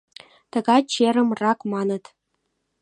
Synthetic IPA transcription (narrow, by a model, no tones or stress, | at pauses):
t̪ə̆ɡɑt͡ɕeɾə̆mrɑkmɑnə̆t̪